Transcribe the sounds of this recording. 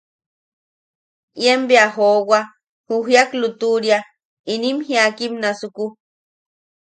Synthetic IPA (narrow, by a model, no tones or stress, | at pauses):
jembiaɦowa | huɦjaklut̪uɾja | inimhiakimnasuku